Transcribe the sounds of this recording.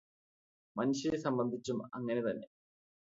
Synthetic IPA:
mɐniɕɐesɐmbɐnd̪ʱit͡ɕːumɐ̰ŋːɐne̞t̪ɐnːḛ

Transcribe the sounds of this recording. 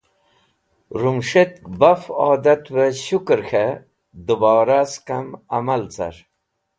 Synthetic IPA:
ɾumʂet̪̚kbafaːd̪at̪weɕukɾxe | d̪ubɑːɾaskamamalt͡sa̰ɾ

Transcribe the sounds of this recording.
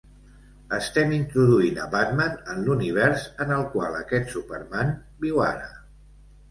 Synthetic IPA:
əst̪ɛmint̪ɾuðuinə̰βat̪manənluniβ̞ɛɾsənəlˠkwalˠəkɛt̪supərman | biwa̰ɾə

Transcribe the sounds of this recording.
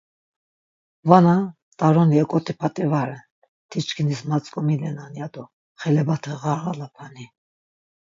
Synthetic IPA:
vana | t̪ʼaɾɔniɛkʼɔt̪ʰipʰat̪ʼɛvaɾɛn | t̪ʰit͡ʃkʰinismat͡sʼkʼɔmilɛnanjad̪ɔ | χɛlɛbat̪ʰɛʁaɾʁalapʰani

